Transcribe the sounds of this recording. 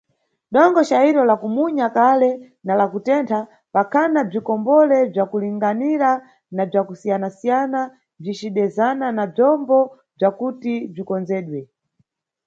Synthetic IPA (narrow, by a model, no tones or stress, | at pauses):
ɗɔŋɡɔt͡ʃaiɾɔlakumuɲakalɛ | nalakutɛntʰa | pakʰanab͡ʐikɔmbɔlɛb͡ʐakuliŋɡaniɾa | nab͡ʐakusijanasijana | b͡ʐit͡ʃiɗɛzananab͡ʐɔmbɔ | b͡ʐakutib͡ʐikɔnd͡zɛːɗwɛ